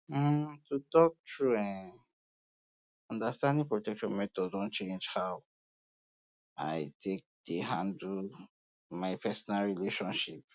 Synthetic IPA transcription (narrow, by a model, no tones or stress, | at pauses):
tutɔk̚tʰɹuɛ̃n | ɔ̃ndastãndĩŋpɹotɛkʃɔ̃nmɛtɔddɔ̃nt͡ʃẽnd͡ʒhaʊ | a̰ɪtʰek̚d̥eɦãndu | maɪpʰɛsɔnalɹileʃɔ̃nʃip̚